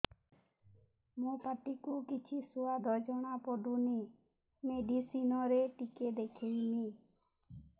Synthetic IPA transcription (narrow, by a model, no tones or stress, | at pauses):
mõːpəʈikuːkɪt͡ʃʰiːsuaːd̪ɔːd͡ʒɔɳ̃aːpɔːɖ̪uːniː | meːɖiːsiːnɔ̃ɾeːʈɪkeːd̪eːkʰeiniː